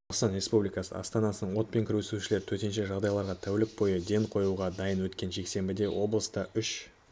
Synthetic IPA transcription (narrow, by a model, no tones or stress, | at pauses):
oɑqst̪ɑnɾʲe̞spublijkɑsə̰ɑ̰st̪ɑnɑsənəɴwo̞t̪̚pe̞ŋkʲʰɪɾwesuʃɪle̞ɾɪt̪ʰɵɾt̪enʃe̞ʒɑʁd̪ɑjlˠɑɾʁɑt̪ʰæwlɪk̚bo̞jəd̪e̞ɴqʰo̞juʁɑd̪ɑjənwɵt̪kʲe̞nʒe̞kse̞mbɪd̪e̞wʔo̞blˠəst̪əʏʃ